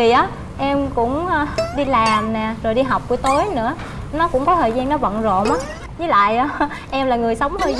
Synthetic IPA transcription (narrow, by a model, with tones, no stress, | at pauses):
i˨˩ʔaː˨˦ | ʔɛ˧mkʊ̰˧˥ŋ͡mɗi˧laː˨˩mnɛ˨˩zo˨˩jɗi˧ɦa˨˩wk͡p̚ku˧˩əjt̪o˨˦jnɨ̰˧˥ə | nɔ˨˦kʊ̰˧˥ŋ͡mkɔ˨˦t̪ʰəː˨˩jzaː˧ŋnɔ˨˦və̰˧˨nzo̰˧˨mʔaː˨˦ | zɨ˨˦la̰ː˧˨jʔaː˨˦ | ʔɛ˧mlaː˨˩ŋɨ˨˩əjsə˨˦wŋ͡mh̪ʰəː˧j